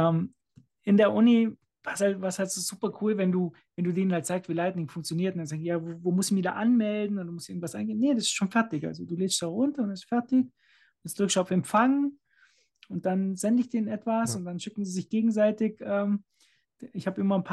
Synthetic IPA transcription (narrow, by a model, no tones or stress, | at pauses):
ʔɛːm | ʔɪndeːɐʔʊnə | v̥aɐsthaltvaɐsthaltz̥oːz̥uːpɐkʰuːlvɛnduː | vɛnduːdeːnənhaltz̥aɪkstv̥iːlaɪtnɪŋfʊŋk̚t͡sjoniːɐtʊndanzaːɡ̚jaːvovoːmʊstɪçmɪda̰ːʔanmɛldn̩ʊnduːmʊstɪɡŋ̩tv̥asʔaɪnɡeːnedasɪstʃoːnfɛɐtɪçʔa̰lzoduːleːstd̥aːʊntɐʊndɪstfɛɐtɪç | ɛstd̥ʁʏkʃaʊfɛmfaŋə | ʊnt̚d̥anzɛndəɪçd̥eːnnʔɛtv̥asʊnt̚d̥anʃɪkŋ̩ziːzɪçɡ̥eːɡŋ̩zaɪtɪçʔɛːm | ɪçhaːbəɪmɐnpʰa